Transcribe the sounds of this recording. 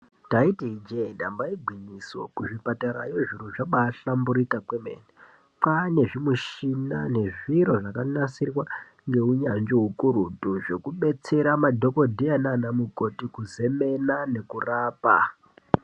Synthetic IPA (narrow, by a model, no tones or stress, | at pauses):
taitiid͡ʒeiɗambaiɡʱwiɲiso̞̰kuʐipataɾajoʐiɾoʐaɓaːɬambuɾikakwemḛːne | pane̞ʐimuʃinane̞ʐiɾo̞ʐakanasirwa | ŋɡe̞uɲand͡ʒoɦukuɾutuʐe̞kuɓe̞t͡se̞ɾamadʱo̞ko̞dʱiananamuko̞tikuze̞me̞nane̞kuraːpa̰